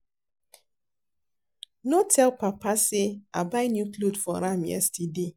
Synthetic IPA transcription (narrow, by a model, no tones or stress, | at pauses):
notʰɛlpapasɪabaɪnjuklodfɔɾamjɛ̰stide